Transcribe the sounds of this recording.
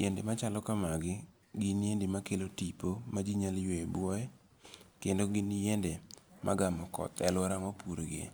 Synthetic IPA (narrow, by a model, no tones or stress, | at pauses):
jendemat͡ʃalɔkamaɡɪ | ɡɪnjendɪmakelotipomad͡ʒiɲaljweebwɔɛ | kendoɡɪnjɛndemʔa̰ɡamɔkɔ̰t̪ɛ̰lwɔɾamapuɾoɡḛ